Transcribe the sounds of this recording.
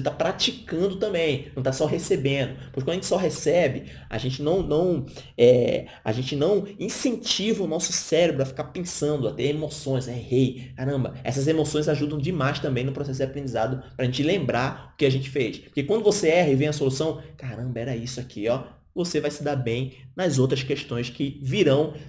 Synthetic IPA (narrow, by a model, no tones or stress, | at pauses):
oset̪apɾat͡ʃikɐ̃nd̪ʊt̪ɐ̃mbẽj̃ñw̃t̪asɔɦesebẽnd̪ʊpoɾkekɐ̃d̪ɐʒẽt͡ʃɪsɔɦesɛbɪ | a̰ʒẽnt͡ʃɪnɐ̃w̃nɐ̃w̃ɛ | a̰ʒẽnt͡ʃɪnɐ̃w̃ĩsẽnt͡ʃivɐʊnɔsʊ̥sɛɾebɾʊafi̥kaɾpẽsɐ̃nd̪ʊat̪eemosõj̃zɛhejkaɾɐ̃mbɐ̰ɛ̰sɐzemosõj̃zaʒud̪ɐ̃w̃d͡ʒɪmajst̪ɐ̃mbẽj̃nʊpɾosɛs̬ʊd͡ʒapɾẽnd͡ʒizad̪ʊpɾaʒẽnt͡ʃɪlẽmbɾaʊkɪaʒẽnt͡ʃɪ̥fejspoɾkekwɐ̃nd̪ʊvoseɛɦɐɪvẽj̃ɐsolusɐ̃w̃kaɾɐ̃mbɐɛɾɐisʊakʰiɔ | vosevajsɪd̪abẽj̃nɐzowt̪ɾɐskeʃt̪õj̃skɪviɾɐ̃w̃